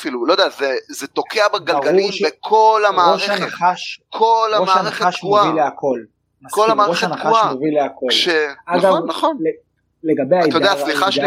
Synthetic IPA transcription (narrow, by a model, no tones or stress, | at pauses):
filulojdeazezet̪okʰeabeɡalɡauibekʰo̞lamaːʁeaeaχaʃkʰolaomaːaʁeχeaʃʃmuavileakʰo̞l | makolamaːoʃeanaaʃamovileakʰolʃeaɡavonːaχonle | leɡabejaojd̪easliχaʃ